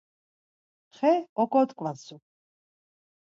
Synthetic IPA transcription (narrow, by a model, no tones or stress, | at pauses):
χɛɔɡɔt̪kʼvasu